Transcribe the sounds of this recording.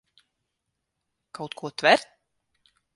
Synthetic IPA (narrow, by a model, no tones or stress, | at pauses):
kawt̪kʰuɔt̪vɛɾt̪̚